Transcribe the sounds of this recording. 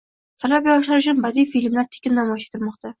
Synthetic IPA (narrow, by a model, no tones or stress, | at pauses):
t̪ʰalap̚ʲɒʃaɾɪʃ̬ɪnbad̪ijfilmlaɾt̪ʰe̥kʲɪnnːamɒjɪʃet̪ʰɪlmɒqt̪ʰa